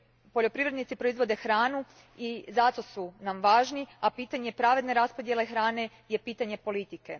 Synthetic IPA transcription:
po̞ʎo̞pɾiʋɾed̪nit̪ipɾo̞izʋo̞d̪e̞xɾaːnu | izat̪o̞sunamʋaːʒniapiːt̪aɲe̞pɾaʋe̞d̪ne̞ɾaspod̪je̞le̞xɾaːne̞ | je̞piːt̪aɲe̞po̞lit̪ike

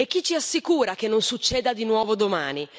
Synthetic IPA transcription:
ek̟ːit͡ʃːiasːikuːɾak̟enːonsut͡ʃːɛːd̪ad̪inwɔːvod̪oma̰ːni

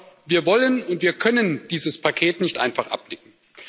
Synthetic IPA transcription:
viːɐvɔlənʊntv̥iːɐkʰœnənd̥iːzəspʰakʰeːtnɪçtʔa̰ɪnfaχʔa̰p̚nɪkŋ̩

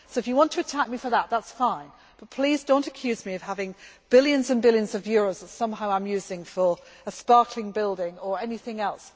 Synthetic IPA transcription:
soʊɨfjəwɒ̃ntʰəːtʰak̚mifə˞ðəʔ̚ðatsfãɪ̃n | b̥ʌt̚pʰl̥izdõʊ̃ntɨkʰj̥ʉːzmiʌv̥havɪ̃ŋb̥ɪlˠjɨ̃nzə̃nbɪlˠjə̃nzʌvjɔːɹoʊzðətsʌ̃mɦaʊãɪ̃mjʉːzɪ̃ŋfə˞ | əspɑɹkʰlɪ̃ŋbɪlˠdɪ̃ŋə˞ɛnɪθɪ̃ŋɛlˠs

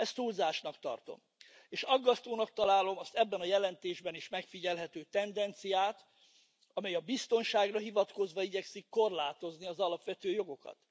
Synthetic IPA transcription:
ɛst̪ulzaːʃnɒkt̪ɒ̰rt̪o̞̰m | eːʃɒɡːɒst̪oːnɒk̚t̪ɒlaːlo̞mɒst̪ɛbːɛnɒjɛlɛnt̪eːʒbɛniʃmɛkfiɟɛlɦɛt̪øːt̪ɛnd̪ɛnt̪sijaːt̪ | ɒmɛjɒbist̪o̞nʃaːɡrɒɦivɒt̪ko̞zʋɒiɟɛksikːo̞rlaːt̪o̞zniɒzɒlɒpʋɛt̪øːjo̞ɡo̞kɒ̰t̪

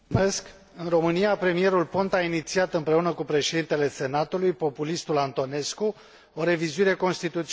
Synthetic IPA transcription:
me̞sk | ɨnro̞mɨnijapɾe̞mije̞ɾulpo̞nt̪ainit̪siat̪ɨmpɾe̞unəkupɾe̞ʃe̞d̪int̪e̞le̞se̞nat̪ulujpo̞pulist̪ulant̪o̞ne̞sku | o̞ɾe̞vizuiɾe̞ko̞nst̪it̪ut̪s

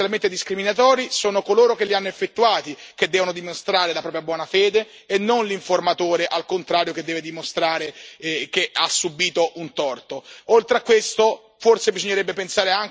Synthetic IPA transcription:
alment̪ed̪iskɾiminat̪ɔːɾisoːnokoloːɾok̟elːianːoefːet̪ːuaːt̪ik̟ed̪ːɛːvonod̪imost̪ɾaːɾelapɾɔːpɾjabwɔːnafɛːd̪eː | nːonliɱformat̪oːɾeʔalkont̪ɾaːɾjoked̪ːɛːved̪imost̪ɾaːɾekeasːubiːt̪oʔunt̪ɔrt̪oolt̪ɾeakːwest̪o | forsebizoɲːeɾɛbːepensaːɾeaŋ

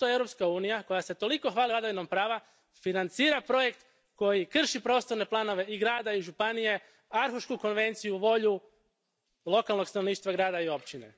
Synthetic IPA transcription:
t̪oevɾopskauːnijako̞jase̞t̪o̞liko̞xʋaːlilad̪aʋinompɾaːʋa | finant̪siːɾapɾo̞je̞kt̪ | ko̞jikr̩ʃipɾo̞ːst̪o̞ɾne̞plˠaːno̞ʋe̞iɡɾaːd̪aiʒupanije̞ | aɾxuʃkuko̞nʋe̞nt̪sijuʋo̞ʎu | lo̞kalˠno̞ɡst̪ano̞ʋniːʃt̪ʋaɡɾaːd̪aio̞pt͡ɕine̞̰

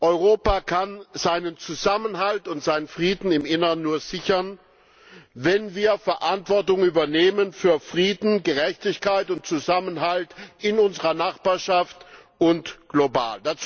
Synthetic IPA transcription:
ʔɔʏʁoːpaːkʰanz̥aɪnənt͡suzamənɦaltʊntz̥aɪnənfʁ̥iːdn̩ɪmʔɪnɐʁənːuːɐz̥ɪçɐn | vɛnviːɐfɛɐʔantv̥ɔɐtʊŋyːbɐneːmənfyːɐfʁ̥iːdn̩ɡəʁɛçtɪçkaɪtʊnt̚t͡suzamənɦaltʔɪnʊnzəʁɐnaχb̥aːɐʃaft | ʊntɡ̥loba̰ːldat͡s

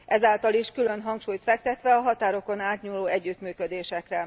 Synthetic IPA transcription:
ʔɛzaːlt̪ɒliʃkylø̞nɦɒŋkʃuːjt̪fɛk̚t̪ɛt̪ʋɛɒɦɒt̪aːɾo̞ko̞naːt̪ɲuːlːoːɛɟːyt̪myːkød̪eːʃɛkrɛ

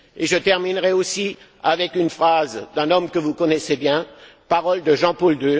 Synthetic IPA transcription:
eʒət̪ɛʁminʁɛosi | avɛkynfχazd̪ɛ̃nɔmkəvukɔnɛsebjɛ̃paʁɔld̪əʒɑ̃pɔld̪ø

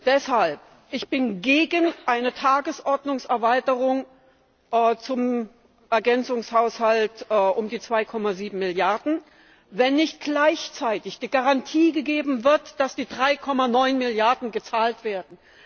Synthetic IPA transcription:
d̥ɛshalp | ʔɪçb̥ɪnɡeːɡənʔaɪnətʰaːɡəsʔɔɐdnʊŋsɛɐvaɪtəʁʊŋ | ʔːt͡sʊm | ʔɛɐɡɛnt͡sʊŋshaʊshaltːʔʊmdiːt͡sv̥aɪkʰɔmaziːbm̩mɪljaɐdn̩ | vɛnːɪçt̚ɡ̥laɪçt͡saɪtɪçd̥iːɡaʁantʰiːɡəɡeːbm̩vɪɐtd̥asd̥iːdʁaɪkʰɔmanɔʏnmɪljaɐdn̩ɡət͡saːltv̥eːɐdn̩

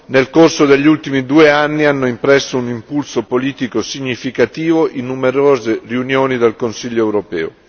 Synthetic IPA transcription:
nelkorsod̪eʎːiult̪imid̪uːeanːianːoimpɾɛsːounimpulsopoliːt̪ikosiɲːifikat̪iːvoʔinːumeɾoːzeriunjoːnid̪elkonsiʎːoɛwɾopɛ̰ːo̰

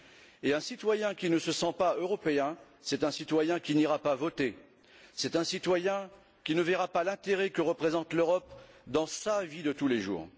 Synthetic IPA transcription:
eɛ̃sit̪wajɛ̃kʲinəsəsɑ̃paøʁɔpeɛ̃ | sɛt̪ɛ̃sit̪wajɛ̃kʲiniʁapavɔt̪e | sɛt̪ɛ̃sit̪wajɛ̃ | kʲinəvɛʁapalɛ̃t̪eʁɛkəʁəpχezɑ̃t̪løʁɔpd̪ɑ̃savid̪ət̪uleʒṵːʁ

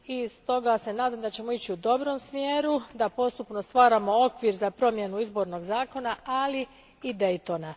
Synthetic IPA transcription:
ist̪o̞ɡase̞naːd̪amd̪at͡ɕe̞mo̞it͡ɕiud̪o̞bɾo̞msmjeːɾud̪apo̞st̪upno̞st̪ʋaːɾamo̞o̞kʋiɾzapɾo̞mje̞nuizbo̞ɾno̞ɡzaːko̞naali | id̪e̞jt̪ona

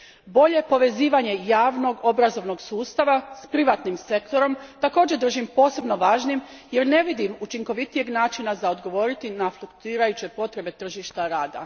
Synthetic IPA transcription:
bo̞ʎe̞po̞ʋe̞ziːʋaɲe̞jaːʋno̞ɡo̞bɾazo̞ʋno̞ɡsuːst̪aʋaspɾiʋat̪nimse̞kt̪o̞ɾo̞mt̪ako̞ːd͡ʑed̪r̩ʒimpo̞ːse̞bno̞ʋaːʒnimje̞ɾne̞ʋid̪imut͡ʃiŋko̞ʋit̪ije̞ɡnaːt͡ʃinazaod̪ɡo̞ʋo̞ɾit̪inaflˠukt̪uiːɾajut͡ɕe̞po̞t̪ɾe̞be̞t̪r̩ʒiʃt̪aɾaːd̪a̰

